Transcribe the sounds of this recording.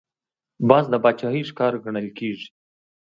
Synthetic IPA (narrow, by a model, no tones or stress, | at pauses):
bɑzd̪əbɑt͡ʃɑɦiʂkɑɾɡaɳəlkeːʐi̥